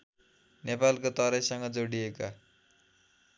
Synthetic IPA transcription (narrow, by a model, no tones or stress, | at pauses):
nepalkot̪ʌɾʌjsʌŋɡʌd͡zoɽijeka